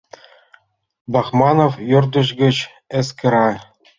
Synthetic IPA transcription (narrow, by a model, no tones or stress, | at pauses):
bɑχmɑnofjord̪ɤ̆ɕ̬ɡʲɘ̆t͡ɕ | ĕskʲɘ̆ɾɑ